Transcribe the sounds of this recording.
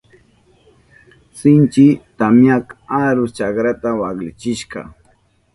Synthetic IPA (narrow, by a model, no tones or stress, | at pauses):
sɪnt͡ʃɪt̪amjakaɾʊst͡ʃakɾat̪awaklɪt͡ʃɪʃkɑ̰